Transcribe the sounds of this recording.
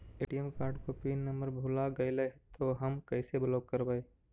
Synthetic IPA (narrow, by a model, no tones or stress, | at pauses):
eːʈijemkaːɾɖkopiːnːɐmbəɾbʱulaɡɐjlɐɦt̪ʰoɦɐmkɐɪsebloːk̚kɐɾbəe